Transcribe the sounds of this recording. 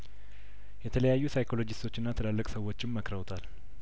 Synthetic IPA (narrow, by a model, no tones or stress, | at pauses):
jɛt̪ʰələjajːusajkʰo̞lo̞d͡ʒɪst̪ʰo̞t͡ʃːɪnːat̪ʰəlalːəkʼsəwːo̞t͡ʃːɪmːəkɾəwt̪ʰal